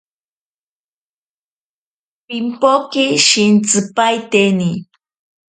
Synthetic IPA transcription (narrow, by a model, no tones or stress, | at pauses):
pimpokɪʃint͡sɨpajt̪eni